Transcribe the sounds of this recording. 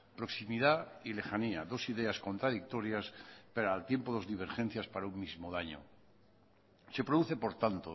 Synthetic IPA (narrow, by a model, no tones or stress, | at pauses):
pɾo̞ksimiðaile̞xaniaðo̞siðeasko̞nt̪ɾaðik̚t̪o̞ɾjaspeɾaːlt̪je̞mpoðo̞zðiβ̞e̞ɾxe̞n̟θjaspaɾaumːizmoðaɲo̰ | se̞pɾoðuθe̞po̞ɾt̪ant̪o